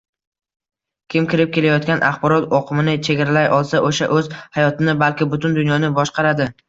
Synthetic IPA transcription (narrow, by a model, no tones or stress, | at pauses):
kʲʰɪmkʲɪɾɪp̚kʲe̞lajɒt̪̚kʲanʔaχbɒɾɒt̪ɒqʰɨmɪnɪt͡ʃʰe̞ɡʲaɾalajʔɒlˠsaʔoʃaʔɵz̥hajɒt̪ɪnɪbalkʲɪbʊt̪ʰʊnd̪ʊnjɒnɪbɒʃqɑɾad̪ɪ